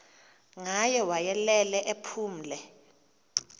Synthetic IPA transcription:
ŋajɛwajɛlɛlɛʔepʰuːm̩lɛ

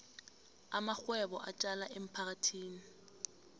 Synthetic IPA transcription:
amak͡xwɛbɔʔat͡ʃʼalaʔem̩pʰak̬atʰiːni

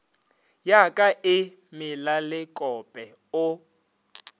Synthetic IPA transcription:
jakʼaʔɪ | mɪlalɪkʼɔpʼɛ | ʊ

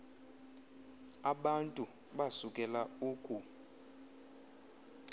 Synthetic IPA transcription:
aɓantʼu | ɓasukʼɛlauːkʼu

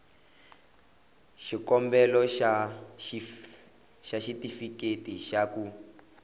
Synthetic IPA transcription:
ʃikɔmbɛlɔʃa | ʃaʃitifiketiʃaku

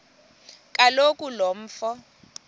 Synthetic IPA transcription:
kʼalokʼulom̩ːfɔ

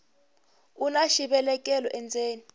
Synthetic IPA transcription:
unaʃiɓɛlɛk̬ʼɛlɔʔɛnd͡zʱeːni

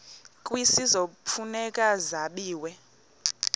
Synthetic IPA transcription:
kʼwisizopfʰunɛkʼazaɓiːwɛ

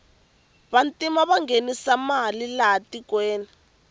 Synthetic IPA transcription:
βantʼimaβaŋɡenisamalilatikwɛːnɛ

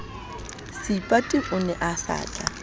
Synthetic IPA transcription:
sipʼatʼɪʔʊnɛʔasa̰ːt͡ɬʼa

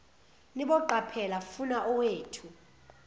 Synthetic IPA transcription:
niɓɔǃapʰɛlafunaʔɔweːtʰu

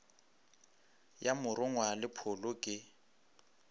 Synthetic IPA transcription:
jamʊrʔʊŋwalɪpʰʊlʊkʼɪ

